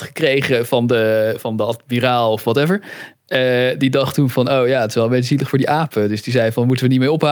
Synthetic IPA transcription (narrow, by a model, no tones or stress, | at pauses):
tχə̥krejχəvɑndəvɑndəɑtmiraːlˠɔfʋɑtɛvəɹ | ədidɑχtunvɑnowjaːətɪsʋɛlˠəmbejtəziləχfʊːdiʔaːpədɵsdizɛjvɑnmutəʋənitmɪːɹɔpɦa